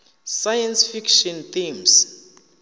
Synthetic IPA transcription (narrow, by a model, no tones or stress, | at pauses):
sajɛnsfikʃɔnt̪ims